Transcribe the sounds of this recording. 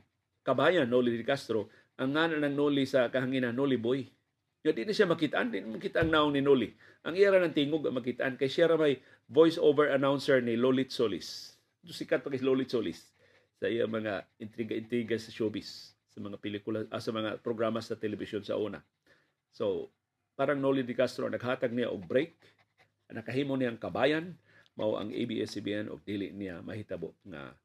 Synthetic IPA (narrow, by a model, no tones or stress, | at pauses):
kabajanːolidɪkast̪ɾo | ʔaŋːanaʔnaŋnolisakaɦaŋinanːoliboj | ŋad̪ɪʔnaʃjamakit̪aʔa̰nd̪ɪʔnamakit̪aʔaŋnaoŋninoli | ʔaŋijaɾanaŋt̪iŋoɡaŋmakit̪aʔa̰nkajsjaɾamaj | vojsovɛɹanawnsɛɹnilolit̪solɪ̰s | d̪ʊsikat̪̚pakaslolit̪solɪ̰sː | aʔijamɐŋaɪnt̪ɾiɡaɪnt̪ɾiɡasɐʃobɪsː | ɐmɐŋapɪlikʊlaʔasamɐŋa̰pɾoɡɾamasat̪ɛlɛbisjonsa̰ʔuːna̰ | so | paːɾaŋnolid̪ɪkast̪ɾoa̰ŋnɐɡɦaːt̪aɡ̚nija̰ʔʊɡ̚bɾejk̚ | nɐkaɦiːmonijaŋkabaːjan | ma̰wʔa̰ŋʔḛbiʔɛsibiɛnʔʊ̰ɡ̚d̪ilɪ̰ʔnijamɐ̰hit̪aboʔŋa̰